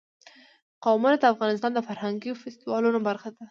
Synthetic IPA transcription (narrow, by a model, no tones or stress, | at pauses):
qɑwmanaəafɣɑnɪst̪ɑnd̪əfaɾhaŋɡiofɪst̪ɪwɑlunobaɾxad̪a